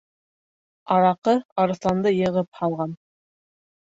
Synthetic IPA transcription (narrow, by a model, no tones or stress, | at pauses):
ɑɾɑqɤɑɾɤ̆θlˠɑnd̪ɤjɤ̆ʁɤp̚hɑlˠʁɑn